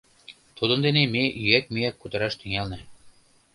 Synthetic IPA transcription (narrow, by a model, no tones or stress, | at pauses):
t̪ud̪ə̆nd̪enemeʔyæk̚miækːut̪ɤ̆ɾɑʃt̪yŋælnĕ